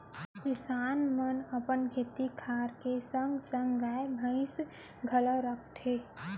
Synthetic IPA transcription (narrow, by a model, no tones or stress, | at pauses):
kɪsaːnmənɐpənkʰeːt̪ikʰaːɾkesə̃ŋɡsə̃ŋɡɡaːebʱə̃ɪ̃s | ɡʱɐləɾək̚ʰt̪eː